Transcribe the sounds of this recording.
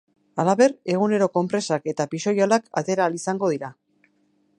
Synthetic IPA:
alaβe̞re̞ɣ̞une̞ɾo̞ko̞mpɾe̞sake̞t̪apiso̞jalaka̰t̪e̞ɾaːlisaŋɡo̞ðiɾa

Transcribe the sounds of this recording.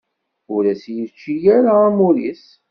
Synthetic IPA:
ʊɾæsjət͡ʃːijæɾaːmuɾis

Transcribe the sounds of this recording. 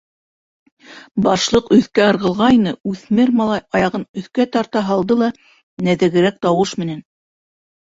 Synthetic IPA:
bɑʃlˠɤqɵ̆θkæɤ̆ɾʁɤ̆lˠʁɑjnɤʉθmɘɾmɑlˠɑjɑjɑʁɤnɵ̆θkæt̪ɑɾt̪ɑɦɑlˠd̪ɤlˠɑ | næðɘ̆ɡɘ̆ɾæk̚t̪ɑwɤʃmɘ̆næn

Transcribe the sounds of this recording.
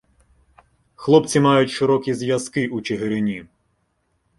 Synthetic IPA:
xlˠɔpt͡sʲimɑjʊtʲʃeɾɔkʲizjɐz̥kɪʔut͡ʃeɦeɾɪnʲi

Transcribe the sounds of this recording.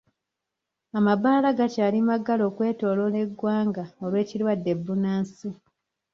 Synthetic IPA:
amaβaːlaɡacaːlimaɡalo̞ːkwe̞ːto̞ːlo̞le̞ɡwaːŋɡao̞lwe̞ːcilwadːe̞bːunaːnsi

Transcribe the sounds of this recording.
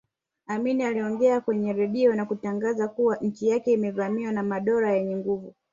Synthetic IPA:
aminialiɔŋɡɛakwɛɲɛɾɛɗiɔnakutaŋɡazakuwaʔɲ̩t͡ʃijakɛimɛvamiwanamaɗɔɾajɛɲɛŋɡuvu

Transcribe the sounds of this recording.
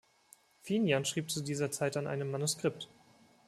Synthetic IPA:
finjanʃʁ̥iːp̚t͡sudiːzɐt͡saɪtanʔa̰ɪnəmːanuskʁ̥ɪp̚t

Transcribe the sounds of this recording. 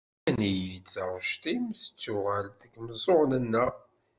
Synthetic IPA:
ænijid̪θəʁʃt̪imθə̥t͡sːʊʁælðəɡməzˤoʁnənːæ

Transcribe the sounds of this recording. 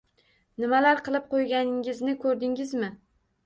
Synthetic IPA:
nɪmalaɾqʰɨlˠɪp̚qʰojɡʲanɪŋɪznɪkʰɵɾd̪ɪŋɪzmɪ

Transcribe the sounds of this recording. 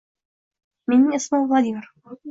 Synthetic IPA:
mɪnʔɪsmʊðˤɑdiːɾ

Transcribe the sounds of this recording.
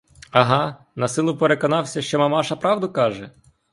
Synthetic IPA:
ɐɦɑ | nɐsɪlˠʊpeɾekɔnɑwsʲɐʃt͡ʃɔmɐmɑʃɐpɾɑwd̪ʊkɑʒɛ

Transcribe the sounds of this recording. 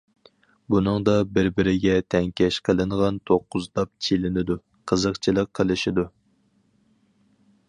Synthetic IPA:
bunɨŋd̪ɑbɪɾbɪɾɪɡʲɛt̪ʰɛŋkʲɛʃqʰəlˠɨɴʁɑnt̪ʰoqːʊzt̪ɑp̚t͡ʃʰilɪnɪd̪u | qʰəzəqt͡ʃʰilˠəqʰːəlˠɨʃid̪u

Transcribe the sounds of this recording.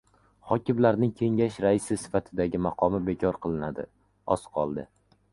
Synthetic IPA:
hɒkʲɪmlaɾnɪŋkʲʰe̞ŋʲaʃɾaɪsɪsɪ̥fat̪ʰɪd̪aɡʲɪmaqʰɒmɪbe̞kʲʰɒɾqʰɨlˠɪnad̪ɪ̰ | ɒsqʰɒlˠd̪ɪ

